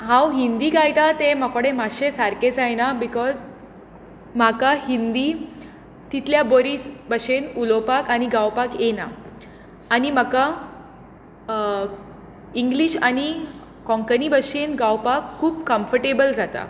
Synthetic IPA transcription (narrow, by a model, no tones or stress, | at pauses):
ɦãwɦind̪iːkajt̪at̪emakoɽemaɕesaɾket͡sajnabikɔz | makahind̪iː | t̪it̪ljaboɾisbəɕenulopakaniɡawpakenaː | nimaka | iŋɡliɕani | kɔ̃ŋkənibəɕenɡawpakʰːuːbkəmfəɾʈebəld͡zat̪a̰